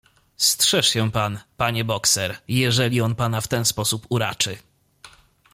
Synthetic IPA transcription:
stʂɛʂɕɛpanpaɲɛbɔksɛɾjɛʐɛlʲiɔnpanaft̪ɛnspɔsupuɾa̰t͡ʂɘ

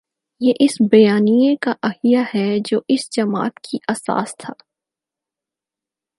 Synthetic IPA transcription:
jeːʔɪsbɐjaːnijekaʔɐɦijahɛd͡ʒoːʔɪsd͡ʒɐma̰ːt̪kʰiʔɐsa̰ːst̪ʰaː

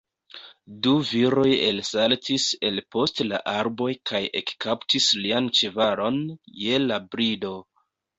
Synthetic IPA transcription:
duviɾo̞je̞lsaltʰise̞lpo̞stla̰ʔaɾbo̞jkʰajʔe̞̰kkaptisliant͡ʃevaɾo̞nje̞labɾido̞

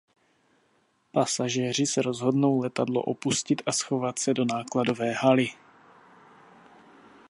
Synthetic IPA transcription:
pasaʒɛːr̝ɪsɛɾo̞zɦo̞dno̞wlɛt̪adlo̰ʔo̞puscɪt̪ʔasxo̞vat̪sɛdo̞naːklado̞vɛːɦalɪ

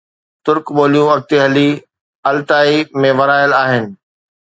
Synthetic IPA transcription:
t̪ʊɾkɓoːlijũɐɡ̚t̪eɦɐli | ɐlt̪aːimẽʋɐɾaːɪəlaːɦɪnɪ̆

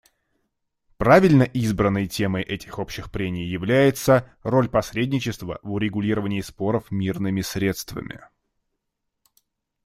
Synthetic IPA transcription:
pɾavʲɪlʲnəʔizbɾənːəjtʲe̞məjʔɛtʲɪ̥xo̞pɕːɪxpɾʲemʲɪjjɪvlʲæjɪt̪səro̞lʲpɐsɾʲedʲnʲɪt͡ɕɪst̪və̰vʊɾʲɪɡʊlʲiɾəvənʲɪːspo̞ɾəfmʲirnɨmʲɪsɾʲe̞t̪st̪və̰mʲɪ̰

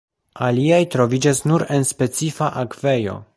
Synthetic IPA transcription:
aliajtɾo̞vid͡ʒasnuɾe̞nspe̞t͡sifaʔakve̞jo̞̰

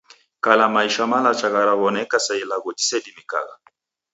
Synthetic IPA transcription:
kalamaiʃamalat͡ʃaɣaɾaβɔnɛkasailaɣɔd͡ʒi̥sɛdimika̰ɣa

